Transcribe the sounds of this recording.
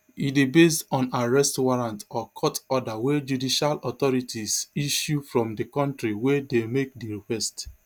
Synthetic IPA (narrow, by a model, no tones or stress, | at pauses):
idibesdɔ̃naɹɛstwaɹãntɔkʰɔtɔdawed͡ʒudiʃalɔtɔɹitʰisiʃjufɹɔ̃mdəkɔ̃ntɹiwedemek̚diɹikɛst